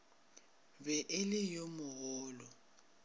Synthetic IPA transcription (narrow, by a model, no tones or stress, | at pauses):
bɛʔɪlɪjomʊɣɔːlɔ